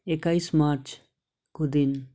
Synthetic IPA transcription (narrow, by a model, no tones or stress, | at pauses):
ekajsmaɾt͡ʃʰ | kod̪in